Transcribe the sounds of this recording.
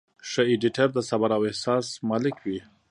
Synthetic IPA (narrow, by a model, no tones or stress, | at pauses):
ʂəiɖiʈaɾd̪əsabaɾawɛhsɑsmɑlɪkʰwi